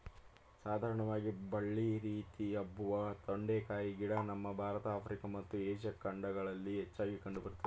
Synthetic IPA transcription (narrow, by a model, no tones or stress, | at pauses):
saːd̪ʱaːɾɐɳɐʋaːɡibɐɭːiɾiːt̪iɐbːuʋɐt̪oɳɖekaːjiɡiɽɐnɐmːɐbʱaːɾɐt̪aːpʰɾikɐmɐt̪ːueːʃɐkɐɳɖɐɡɐɭɐlːiɦɛt͡ʃːaːɡikɐɳɖubɐɾt̪ːi